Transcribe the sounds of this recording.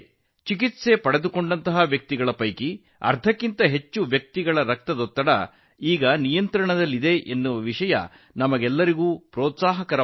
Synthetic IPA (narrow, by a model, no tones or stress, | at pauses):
t͡ʃikit̪se̞pɐɽe̞d̪uko̞ɳɖɐnt̪ɐɦaʋjɐk̚t̪iɡɐɭɐpɐjki | ɐ̰ɾt̪ʰɐkːint̪ɐɦe̞t͡ʃːuʋjɐk̚t̪iɡɐɭɐɾɐk̚t̪ɐd̪ot̪ːɐɽɐ̰ | iːɡɐnijɐnt̪ɾɐɳɐd̪ɐlːid̪e̞ʔenːuʋɐʋiʂɐjɐ̰ | nɐmɐɡɛlːɐɾiɡuːpɾɔːt̪saːɦɐkɐɾɐ